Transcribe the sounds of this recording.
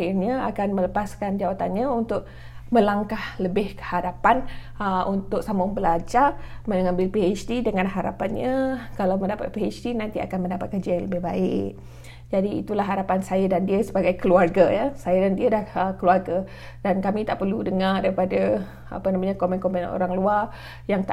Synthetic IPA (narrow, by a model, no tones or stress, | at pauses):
ahirɲəa̰kanmələpaskand͡ʒawat̪anɲaunt̪ʊʔ̚ | mə̃laŋkahləbɪhkə̥haɾapan | əʔunt̪ʊk̚samʊŋbəlad͡ʒamənŋãmbɪlpiat͡ʃdidəŋanɦaɾa̰panɲəkalawmə̃ndapa̰t̪̚piat͡ʃdinant̪ia̰kanməndapat̪̚kərd͡ʒaləbɪhbaɪʔ | d͡ʒadiḭt̪ulaɦːaɾapansajədandiəsəbaɡajkəluarɡajasajədandiədahəkəluarɡa | dankamit̪aʔpərludəŋardaɾipadə | a̰pənamaɲakomɛnkɔmpan̰nʔo̰ɾaŋluar | jaŋt̪a